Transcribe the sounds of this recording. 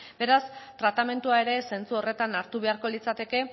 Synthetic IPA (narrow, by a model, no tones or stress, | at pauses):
be̞ɾast̪ɾat̪ame̞nt̪uae̞ɾe̞se̞nt͡suo̞re̞t̪anaɾt̪uβe̞aɾko̞lit͡sat̪e̞ke̞